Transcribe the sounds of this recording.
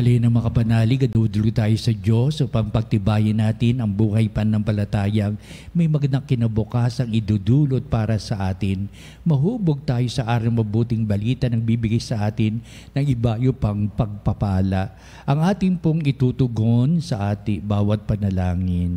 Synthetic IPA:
ɐlɛnɐŋmɐŋapɐnaːlɪɡɐd̪uːd̪ʊloɡ̚t̪aːjosɐd͡ʒo̞sʔopɐŋpɐɡ̚t̪ɪbaːjɪnaːt̪ɪnɐŋbuːhɐjpɐnɐŋpɐlɐt̪aːjɐŋ | mɐjmɐɡɐnɐkːɪnɐbʊkaːsɐŋɪd̪uːd̪uːlo̞t̪̚paːɾɐsɐʔaːt̪ɪn | mɐɦuːboɡ̚t̪aːjo̞sɐʔaːɾɐŋmɐbuːt̪ɪŋbɐliːt̪ɐnɐŋbiːbɪɡɪsɐʔaːt̪ɪnː | ɐŋɪbajopɐŋpɐɡ̚pɐpaːlɐʔ | ʔɐŋʔaːt̪ɪŋpoŋɪt̪uːt̪ʊɡonsɐʔaːt̪ɪbaːwɐt̪̚pɐnɐlaːŋɪn

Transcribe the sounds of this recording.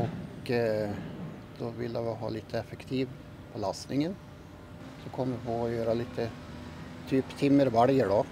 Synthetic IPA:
ɔk | d̪̥ɔʋɪ̰lːaʋɪɦɑ̰ːliːt̪ʰəɛfəkt̪ʰiːʋ | pʰɔlɑst̪nɪŋən | sɔkʰɔmːəpʰoːɔjøːɾaliːt̪ə | t̪ʰyːpt̪ʰɪmːəɾʋæɽjəɖɔ

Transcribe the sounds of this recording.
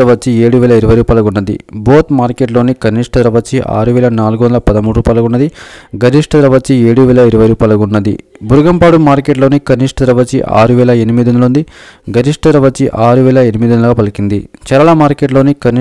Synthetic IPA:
ɐʋɐt͡ʃːieːɽuʋɛːlɐiɾuʋɐjɾuːpɐlɐɡunːɐd̪ḭbo̞ːt̪maːɾkeʈlo̞ːnikɐniʂʈɐd̪ɾɐʋɐt͡ʃːiʔa̰ːɾuʋɛːlɐnaːluɡʋɐnd̪ɐlɐpɐd̪ɐmuːɽɾuːpɐlɐɡunːɐd̪iɡɐɾiʂʈɐd̪ɾɐʋɐt͡ʃːieːɽuʋɛːlɐiɾuʋɐjɾuːpɐlɐɡunːɐd̪ḭ | buɾɡɐmpaːɽumaːɾkeːʈ̬lo̞ːnikɐniʂʈɐd̪ɾɐʋɐt͡ʃiʔa̰ːɾuʋɛːlɐenimid̪ond̪ɐlund̪iɡɐɾiʂʈɐd̪ɾɐʋɐt͡ʃːiʔaːɾuʋɛːlɐenimid̪ɐnlɐɡaːpɐlikind̪ḭt͡ʃɐɾɐɭɐmaːɾkeʈ̬loːnikɐn

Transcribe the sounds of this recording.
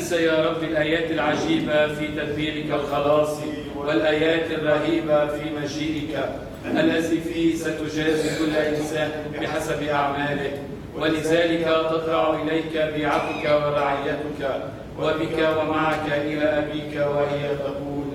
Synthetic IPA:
sajɑːɾˤɑbːɪlʔaːjaːt̪alʕaʒiːbafiːt̪ad̪biːɣɪkalxɑlɑːsˤ | walʔaːjaːt̪arˤːɑhiːbafiːmaʒiːʔɪka | ʔalːat̪iːfiːsat̪ʊd͡ʒaːzɪkʊlːaʔɪnsaːn | bɪħasabʔaʕmaːlɪk | walɪðaːlɪkat̪ɑt̪ɾɑʕʔɪlajkabiːʕat̪ɪkawɪɾˤɑʕɪjːat̪ɪka | wabɪkawamaʕakaʔɪlaːʔabiːkawahɪjat̪aquːl

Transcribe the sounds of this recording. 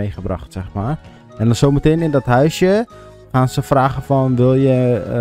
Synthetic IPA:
eːxəbra̰xtsɛxmaːr | ɛndɔnsowməteːnɪndɔtɦœɥsjə | xaːnsəfraːɣəfɔnʋɪlˠjə

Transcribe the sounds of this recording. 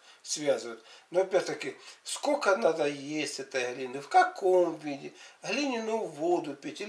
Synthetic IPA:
svʲazɨʋʊt̪noɐpʲæɾʲt̪ɐkʲɪskokɐnad̪ɐjesʲtʲɛt̪ɐjɦlʲinʲɨfkɐkomvʲidʲɪɦlʲinʲɪnuʋod̪ʊpʲitʲɪ

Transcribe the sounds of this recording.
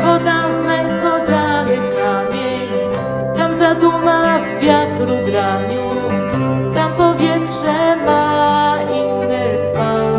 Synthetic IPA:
bɔd̪ammɛjkɔd͡ʑanɛkʰamʲjɛɲ | t̪amzad̪umavvʲjat̪ɾuɡɾaɲu | t̪ampɔvʲjɛtʂɛma | inːɛswa

